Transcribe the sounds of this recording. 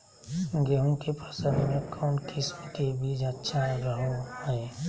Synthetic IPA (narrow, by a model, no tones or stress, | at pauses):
ɡeɦũkepasə̃nd̪mẽkʰɔːnkʰɪsmkebʱid͡ʒətːʃʰaɾəɦohɛː